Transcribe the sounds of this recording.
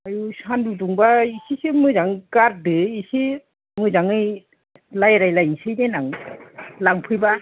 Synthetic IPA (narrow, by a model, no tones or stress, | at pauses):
ajusanduduŋbaisisɯmɯzaŋkaɾ̚dɯisi | mɯzaŋɯj | lajɾajlajsɯjdenaŋ | laŋpʰɯjba